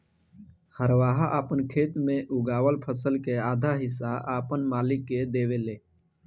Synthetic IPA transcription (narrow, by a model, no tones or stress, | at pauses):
həɾʋaːɦaʔaːpənkʰeːt̪mẽʔʊɡaːwəlpʰəsəlkeaːd̪ʱaɦɪs̬aʔaːpənmaːlɪkːed̪eːweleː